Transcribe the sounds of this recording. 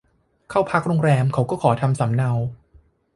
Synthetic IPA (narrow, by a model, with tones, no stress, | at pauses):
kʰaː˥˩wpʰa˦˥k̚ɾoː˧ŋɾɛː˧mkʰa˨˦wkɔː˥˩kʰɔː˩˦t̪ʰa˧msa˩˦mna˧w